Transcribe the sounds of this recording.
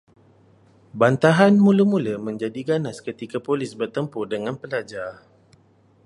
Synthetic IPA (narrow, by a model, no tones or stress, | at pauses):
bant̪aɦanmũləmũləmə̃ɲd͡ʒadiɡanaskət̪ikapolɪsbərt̪əmpʊrdəŋãnpəlad͡ʒar